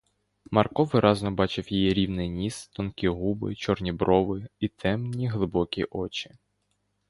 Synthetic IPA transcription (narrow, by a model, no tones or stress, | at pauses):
mɐrkɔʋɪɾʔɑznɔbɑt͡ʃɪwjijiɾʲiwnɪjnʲist̪ɔnkʲiɦubɪ̰t͡ʃɔrnʲibɾɔʋɪit̪ʰɛmnʲiɦlˠɪbɔkʲiʔɔt͡ʃʲi̥